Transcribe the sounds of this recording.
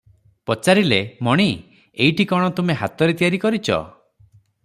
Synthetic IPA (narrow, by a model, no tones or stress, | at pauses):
pɔt͡ʃaɾilemɔɽ̃i | eiʈikɔɽ̃ɔt̪umeɦat̪ɔɾet̪ijaɾikɔɾit͡ʃʰɔ̰